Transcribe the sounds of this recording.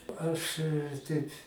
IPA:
ˈɐʃ ˈtʲɛɪp

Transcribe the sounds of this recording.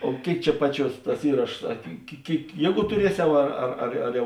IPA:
oː ˈkʲeːɪk ˈt͡ʃʲɛ ˈpɑːˌt͡ʃʲuɔs ˈtɐs ˈiːrɐʃoːs ˈɐ kʲɪ kʲɪ ˈkʲeːɪk ˈjiɛˌɡuː tʊˈrʲiɛˌsʲɛʊ ˈɐr ɐr ɐr ɐr ˈjɛʊ

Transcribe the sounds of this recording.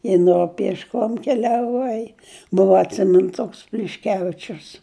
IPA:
ɪ ˈnoː pʲiɛʃˈkoːm kʲɛlʲɛˈʋɐɪ ˈbʊʋɐ ɐtʲˈsʲɪmʲɪn ˈtoːks pʲlʲɪʃʲˈkʲæːʋʲɪt͡ʃʲʊs

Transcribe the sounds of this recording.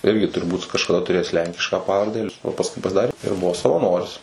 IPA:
ˈɪrʲɡʲɪ tʊrˈbuːt kɐʃkɐˈdɐ tʊˈrʲeːjæːs ˈlʲɛŋʲkʲɪʃkɑː ˈpɑːʋɐrʲdʲɛ oː pɐsˈkʊɪ pɐzˈdɑːrʲeː ɪr ˈbʊʋoː sɐʋɐˈnoːrʲɪs

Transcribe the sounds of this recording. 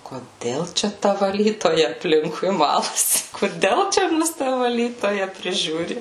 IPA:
koːˈdʲɛlˠ ˈt͡ʃʲɛ ˈtɐ ʋɐˈlʲiːtoːjɛ ɐpʲˈlʲɪŋkʊɪ ˈmɑːlˠɐsʲɪ koːˈdʲɛlˠ ˈt͡ʃʲɛ ˈmʊs ˈtɐ ʋɐˈlʲiːtoːjɛ pʲrʲɪˈʒʲuːrʲɪ

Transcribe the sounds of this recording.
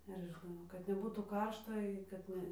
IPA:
ɐr ɐʃ ʒʲɪˈnɐʊ kɐt nʲɛˈbuːtuː ˈkɐrʃtɐ ɪ kɐt ˈnʲɛ

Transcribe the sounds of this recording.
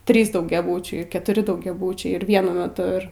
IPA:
ˈtʲrʲiːs dɐʊɡʲɛˈbuːt͡ʃʲɛɪ kʲɛtʊˈrʲɪ dɐʊɡʲɛˈbuːt͡ʃʲɛɪ ɪr ʋʲiɛˈnʊ mʲɛˈtʊ ˈɪr

